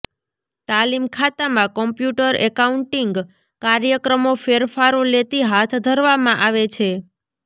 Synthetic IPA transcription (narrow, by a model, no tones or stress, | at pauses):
t̪alimkʰat̪amãkɔmpjuʈəɾɛkauɳʈiŋɡ | kaɾjəkɾəmofeɾfaɾolet̪iɦat̪ʰd̪ʱəɾʋamãʔaʋet͡ʃʰe